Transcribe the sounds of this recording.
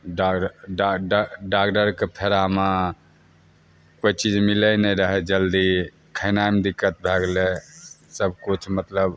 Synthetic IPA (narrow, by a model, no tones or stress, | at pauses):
ɖakɖɖaɖɖakɖəɾkepʰeɾama | koit͡ʃid͡ʒmilənɛɾəɦɛd͡ʒəld̪i | kʰənamd̪ikːət̪̚bʱeɡlesəb̚ʱkut͡ʃʰmət̪ləb